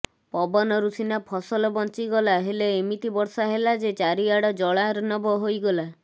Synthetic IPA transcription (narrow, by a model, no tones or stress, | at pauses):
pɔbɔnɔɾusinapʰɔsɔlɔbɔnt͡ʃiɡɔlaɦeleːmit̪ibɔɾsaɦelad͡ʒet͡ʃaɾiaɽɔd͡ʒɔɭaɾɔnɔbɔɦojɡɔla